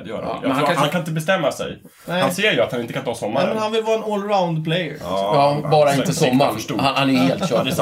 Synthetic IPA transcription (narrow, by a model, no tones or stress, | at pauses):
d̪jœ̰ːɾaa̰jɛnahankaɪnt̪əbɛst̪ɛmːasɛ̰j | hanseːɾjɵat̪hanɪnt̪əkant̪ʰɑːsɔmːaɾmɛnhanvɪlvɑːɾaɛnɔlɾaʊnd̪pʰlɛjə̰jɑbɑːɾaɪnt̪əsɔmːastuhanhanæheːlt̪ʃœd̪ɛ